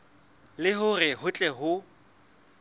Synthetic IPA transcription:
lɪɦʊrɪhʊt͡ɬʼɛɦʊ

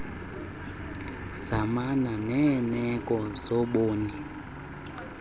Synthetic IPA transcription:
zamananɛnɛkʼɔzɔɓoːni

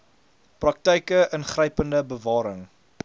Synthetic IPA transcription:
prɐk̚təjkəʔənχrəjpəndəbəvɑːɾəŋ

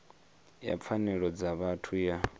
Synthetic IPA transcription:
ja̰p̪fʰanɛɺɔd͡zaβatʰuja

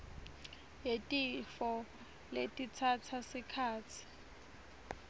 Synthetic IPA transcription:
jetʼifɔ | letʼit͡sʰat͡sʰasikʰaːt͡sʰi̥

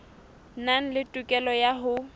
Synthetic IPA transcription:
naŋ̩lɪtʼukʼɛlɔjaɦʊ

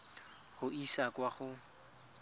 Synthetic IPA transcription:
χʊisakwaχʊ

